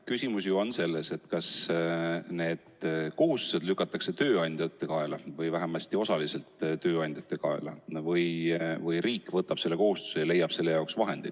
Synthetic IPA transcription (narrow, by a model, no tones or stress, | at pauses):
kysʲimusjuonse̞lːese̞t̪ːkɑs | ne̞ːd̪̥ko̞ɦust̪u̥se̞d̪lykːˑɑt̪ːˑɑkse̞t̪ø̞ːɑnʲd̪̥ʲjɑt̪ːˑe̞kɑelɑvɯjvæɦemɑsʲt̪io̞sɑlise̞lt̪t̪ø̞ːɑnʲd̥̪ʲjɑt̪ːˑe̞kɑḛlɑ̰vɯjvɯjriːkːˑvɤt̪ːɑb̥se̞lːe̞ko̞hust̪u̥se̞jɑle̞jːɑb̥se̞lːe̞jɑoksvɑɦe̞nd̪ḭd̪̥